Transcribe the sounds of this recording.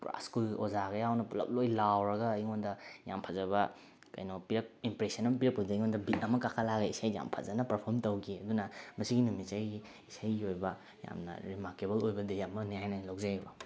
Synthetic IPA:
pɾa̰skulo̰zaɡɐjawnɐlɐ̰k̚lojlawɾɐɡɐːjŋondɐja̰mpʰɐzɐβɐ | kɐ̰jnopiɾɐk̚impɾesɐnɐmɐp̬iɾɐk̚pɐudjŋondɐbit̚ɐmɐkakʰalaɡɐisajja̰mpʰɐ̰zɐnɐpɐɾpʰoɾmtɐwɡiɐdunɐmɐsiɡinumitt͡ʃaji | isajojbɐ | ja̰mnɐ̰ɾimaɾkebɐlojbɐdejamːɐnihajnɐlawk̚zajbɐ

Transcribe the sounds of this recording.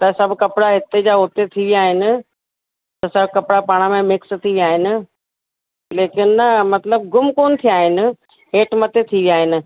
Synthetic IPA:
t̪ɐsɐbʱkɐpɪɽaɦɪt̪ed͡ʑaːʊt̪et̪ʰiʋijaːɦɪnɪ̆ | t̪ɐsɐbʱkɐpɪɽapaːɽ̃əmẽmɪkst̪ʰiʋijaːɦɪnɪ̆ | leːkɪnɪːɐmɐt̪ləb̚ɡʊmkoːnɪ̆t̪ʰijaːɦɪnɪ̆ | ɦeːʈmɐt̪et̪ʰiʋijaːɦɪnɪ̆

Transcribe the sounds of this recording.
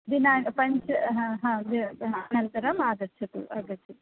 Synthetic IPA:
d̪inaːpɐɲt͡ʃɐɦãɦãːd̪iɐnɐnt̪ɐɾɐmaːd̪ɐɾt͡ʃʰɐt̪ṵʔaːɡ̪ɐɾt͡ʃʰɐt̪

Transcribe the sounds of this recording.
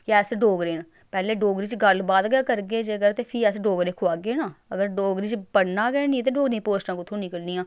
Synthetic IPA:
kɛːsɖoːɡɾeːn | pɛːleːɖoːɡɾiːt͡ʃɡəlbaːd̪ɡaːkəɾɡeːd͡ʒeəɡəɾt̪eːpʰiːɛːsɖoːɡɾẽːkʰʊaːɡeːnaːəɡəɾɖoːɡɾiːt͡ʃpəɽnaːɡɛnĩt̪̬eːɖoːɡɾẽːpoːsʈãːkʊt̪ʰːũːnɪkəlnijãː

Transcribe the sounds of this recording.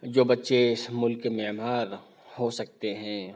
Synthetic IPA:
d͡ʒoːbɐtːʃeɪsmʊlkememɦaːɾ | hosɐk̚t̪eɦɛ̃ː

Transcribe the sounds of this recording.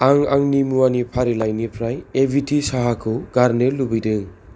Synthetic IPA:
aŋa̰ŋnimuanipʰaɾilajnipʰɾajebʱitisaɦakʰɯɡaɾnɯlubijdɯ

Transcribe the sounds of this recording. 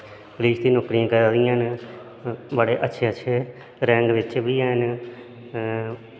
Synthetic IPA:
kliːsd̪iːnɔːkɾĩãːkəɾd̪ɪjãːn | bəɽeːʔətːʃʰeːətːʃʰeː | ɾɛ̃ːŋɡʋɪt͡ʃʋiːɛːn

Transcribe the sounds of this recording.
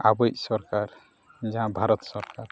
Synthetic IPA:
a̰bɔjsɔɾkaɾ | d͡ʒaɦãbʱaɾɔt̪sɔɾkaɾ

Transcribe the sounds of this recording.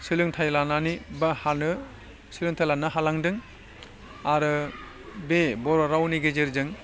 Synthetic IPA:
sɯlɯŋtʰajlananibahanɯ | silɯŋtʰajlanɯɦalaŋdɯŋ | aɾɯ | bebɔɾɔɾawniɡezeɾzɯŋ

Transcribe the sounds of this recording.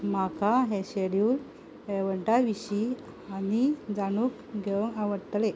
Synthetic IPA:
makaɦeɕeɽjul | eʋəɳʈaʋiɕi | anid͡zanuːk | ɡʱeʋəŋɡaʋəɽt̪le

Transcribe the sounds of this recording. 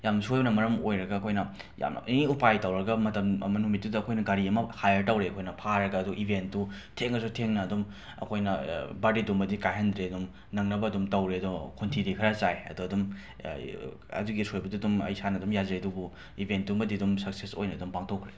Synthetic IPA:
jamsojnɐmɐɾɐmojɾɐɡɐːkʰojnɐ | ja̰m̰niupajtɐwɾɐɡɐmɐtɐmmɐnumit̚dudɐɐkʰojnɐɡaɾiɐmɐhajɐɾtɐwɾeɐkʰojnɐpʰaɾɐɡɐːduʔibʱentːutʰeŋɐs̬utʰeŋnɐːdum | ɐ̰kʰojnɐbadidumbɐdikajɦɐndɾeɐdum | nɐŋnɐbɐːdumtɐwɾeɐdukʰuntʰidikʰɐɾɐt͡ʃajɐ̰duɐdum | ɐ̰duɡisojbɐdidumɐ̰jsanɐdumjazeɐdubu | ibʱent̚dumbɐdidumsɐkseso̰jnɐːdumpaŋtʰokʰɾe

